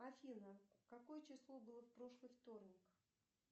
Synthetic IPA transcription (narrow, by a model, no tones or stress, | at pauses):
ɐfʲinəkɐko̞jət͡ɕɪslˠo̞bɨlˠəfpɾo̞ʂlˠɨjft̪o̞rnʲɪk